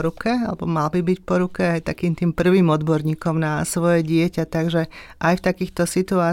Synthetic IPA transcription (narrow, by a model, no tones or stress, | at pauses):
ɾukɛalɛbɔmalbibicpɔɾukɛajt̪akiːmt̪iːmpr̩ʋiːmɔd̪bɔɾɲiːkɔmnasʋɔjɛɟɪɛcat̪aɡʒɛʔajft̪akiːxt̪ɔsit̪uaː